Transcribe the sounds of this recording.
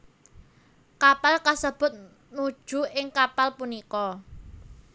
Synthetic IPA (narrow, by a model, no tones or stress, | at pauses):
kapalkasəb̥ʊ̤t̪̚ | nud̥ʒ̥ṳɪŋkapalpunikɔ